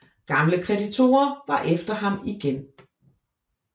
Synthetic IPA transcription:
ɡ̥ɑ̈mləkʰʁɛdit͡sʰo̝̰ːɐʋɑ̈ʔefd̥ɐɦɑ̈miɡ̥en

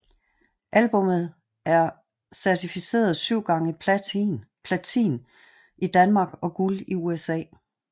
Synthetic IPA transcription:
ʔælb̥ɔ̽mð̩ˠ | ʔæɐ | sæɐt͡sʰifise̝̰ːɐð̞ˠsyʊ̰ɡ̥ɑ̈ŋə | pʰlæt͡sʰḭːn | ʔid̥ænmɑ̈ɡ̥ɒ̽ɡ̥uliuesɛ̰ː

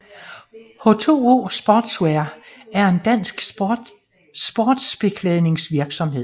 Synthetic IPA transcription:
hot͡sʰo̝̰ːo̝̰ːsb̥ɒːd̥sweɐæɐe̝nd̥æn̰sɡ̥ | sb̥oːd̥sb̥e̝kʰlɛðˠne̝ŋsʋiɐɡ̥sɒ̽mɦe̝ð̰ˠ

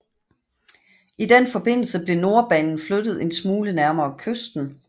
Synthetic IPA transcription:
id̥enfɒ̽b̥e̝n̰l̩səb̥le̝no̝ɐb̥ɛːnn̩flød̥ð̞̩ˠe̝nsmuːlənæɐmɐːkʰøsd̥n̩

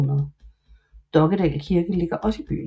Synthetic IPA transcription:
nɐðˠ | d̥ɒ̽ɡ̥əd̥ɛ̰ːlkʰiɐɡ̥əle̝ɡ̥ɐʔɒ̽sib̥y̰ː

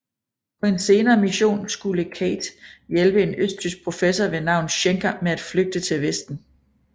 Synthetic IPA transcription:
pʰɒ̽e̝nse̝ːnɐːmiɕo̝̰ːnsɡ̥uləkʰɛ̰ɪd̥jelb̥əe̝nøsd̥ysɡ̥̚pʰʁo̝fesɒʋe̝nɑ̈ʊ̰n̩ɕeŋɡʰæmeæd̥fløɡ̥̚d̥ət͡sʰe̝lʋesd̥n̩

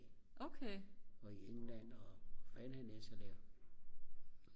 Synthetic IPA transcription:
ʔokʰeɪɒ̽ieŋn̩læn̰ɒfænhænesɐd̥æɐ̰

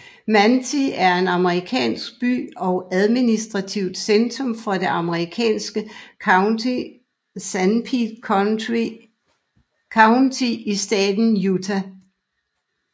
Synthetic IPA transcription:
mænt͡sʰiæɐe̝nɑ̈məʁikʰɛ̰ːnsɡ̥̚b̥y̰ːɒ̽ʊæðˠminisd̥ʁɑ̈t͡sʰiʊ̰d̥send̥ʰʁɔ̽mfɒ̽de̝ʔɑ̈məʁikʰɛ̰ːnsɡ̥ə | i | sænpʰid̥ | kʰɑ̈ʊnt͡sʰiisd̥ɛ̰ːd̥n̩jut͡sʰæ

